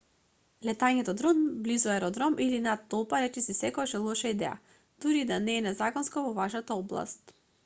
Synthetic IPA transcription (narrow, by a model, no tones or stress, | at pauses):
lɛt̪aɲɛt̪ɔd̪ɾɔnblizɔɛɾɔd̪ɾɔmʔilinat̪ːɔlˠpaɾɛt͡ʃɛsisɛkɔɡaʃɛlˠɔaʃaid̪ɛ̰ja̰ | d̪̥uɾid̪anɛːnɛzakɔnskɔvɔvaʃat̪aɔblˠa̰st̪